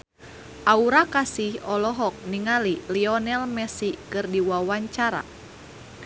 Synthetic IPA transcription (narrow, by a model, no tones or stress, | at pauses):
ʔauɾakasihɔlɔɦɔk̚niŋaliliɔnɛlmɛsikɨrdiwawaɲt͡ʃaɾa̰